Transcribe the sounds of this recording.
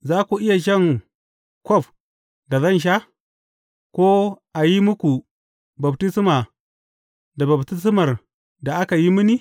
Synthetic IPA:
za˦ku˨ʔɪ˦ja˨ʃ̬ɐ˦˨ŋ | kɔ˦˨f | da˨zɐ˦˨nʃ̬a˦ | kʷo˦ | a˨ji˦mu˦ku˨ | ba˨bti˦si˦ma˨ | da˨ba˨bti˦s̬i˦ma˨r | da˨ʔa˦ka˨ji˦mi˦ni˦

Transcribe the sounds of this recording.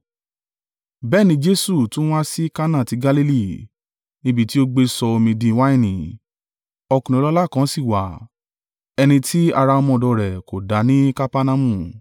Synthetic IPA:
bɛː˦˨nĩ˧˦d͡ʒe˦su˦˨tũ˦a˦si˦ka˦nã˦˨ti˨˧˦ɡa˦li˦li˦˨ | nĩ˦bi˦ti˦o˦ɡ͡be˧sɔ˧o˧mĩ˧dĩ˧˨˦wa˦ĩ˦˨nĩ˨ | ɔ˧kũ˨ĩ˨˧˦lɔ˦la˦˨kã˨˦si˦˨wa̰˨ | ɛ˧nĩ˧ti˦a˧ɾa˧ɔ˧mɔ̃˧˨dɔ˧˨ɾɛ˨ko˨da˨˦nĩ˦ka˦pa˦nã˧mũ˦˨

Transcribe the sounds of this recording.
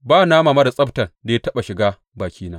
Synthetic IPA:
baː˦˨naː˦maː˨ma˦da˨sʼɐ˦btɐ˨nda˨ja˦tɐ˦ɓa˨ʃɪ˨ɡaː˦ | baː˨kʲʰiː˦naː˦

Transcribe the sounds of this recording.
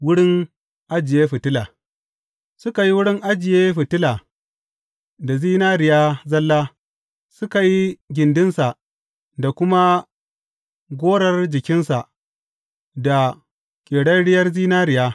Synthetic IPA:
wʊ˦ɽɪ˦ŋ | ʔa˦d͡ʒɪ˨jeː˦ɸɪ˨tɪ˦laː˨ | sʊ˦ka˨ji˦wʊ˦ɽɪ˦ŋʔa˦d͡ʒɪ˨jeː˦ɸɪ˨tɪ˦laː˨ | da˨ziː˦naː˦ɾɪ˨jaː˦zɐ˦lːaː˦ | sʊ˦ka˨ji˦ɡʲɪ˨ndɪ˦nsa˨ | da˨kʷʊ˦ma˦ | ɡʷoː˦ɽɐ˦rd͡ʒɪ˨kʲɪ˦nsa˨ | da˨ | kʲʼeː˨ɽɐ˦nɽɪ˦jɐ˦rziː˦naː˦ɾɪ˨jaː˦

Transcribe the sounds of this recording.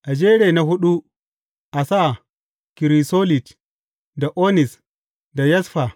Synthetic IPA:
ʔa˨d͡ʒeː˦ɽe˨na˦ɦʊ˦ɗu˦ | ʔa˨sa˦ | ki˨ɾi˨so˦li˨t | da˨ʔo˦ni˨s | da˨jɐ˦sɸa˨

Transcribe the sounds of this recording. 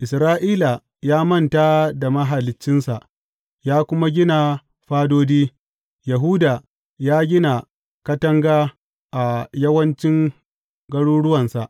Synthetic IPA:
ʔɪ˨sɾaː˦ʔiː˦la˨ | jaː˦mɐ˦nta˦da˨mɐ˦ɦa˨lɪ˨t͡ʃːɪ˦nsa˨ʔ | jaː˦kʷʊ˦ma˦ɡʲɪ˦na˨ | ɸaː˦doː˦diː˦ | jɐ˨ɦuː˦da˨ | jaː˦ɡʲɪ˦na˨ | kɐ˦tɐ˦ŋɡaː˦ | ʔa˨jɐ˦wɐ˦nt͡ʃɪ˦ŋ | ɡɐ˦ɽuː˦ɽʊ˦wɐ˨nsa˨ʔ

